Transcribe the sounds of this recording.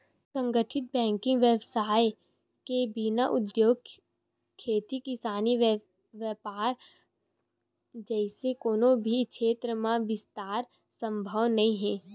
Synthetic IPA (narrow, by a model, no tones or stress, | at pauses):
sə̃ŋɡəʈʰɪt̪̚bɛ̃ːŋkɪ̃ŋɡʋjeːbsaːj | kebinaʔʊd̪joːɡ̚ | kʰːeːt̪ikɪsaːni | ʋjəpaːɾ | d͡ʒɛːɪsekoːnõbʱikʃeːt̪ɾəmãʋɪst̪aːɾ | sə̃mbʱəʋnɐĩɦɛ̃ː